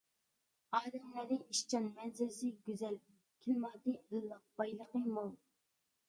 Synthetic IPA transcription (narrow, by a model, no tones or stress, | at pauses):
ɑːd̪ɛmlæɾɪŋiʃt͡ʃʰɑnmɛnzɪlɪsɪɡʲyzɛl | kʲʰilmɑːd̪ɨəlˠːɑq̚bɑjlˠəqəmolˠ